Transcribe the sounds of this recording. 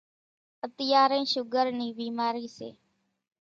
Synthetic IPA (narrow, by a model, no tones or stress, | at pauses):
ət̪ɪjaːɾẽːʃʊɡəɾniːbiːmaːɾiːsḛː